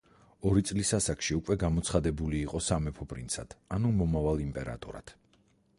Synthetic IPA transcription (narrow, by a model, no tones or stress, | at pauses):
ɔɾit̪sʼlisasakʃiukʼwɛɡamɔt̪sʰχad̪ɛbuliːqʼɔsamɛpʰɔpʼɾḭnt̪sʰa̰d̪̥anumɔmavalˠimpʼɛɾa̰t̪ʼṵɾa̰t̪ʰ